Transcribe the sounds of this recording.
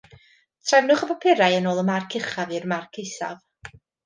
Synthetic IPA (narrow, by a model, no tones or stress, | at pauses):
tʰrɛvnʊχəpapʰɪɾajənoːlˠəmarkʰɪχavirmarkʰejsa̰v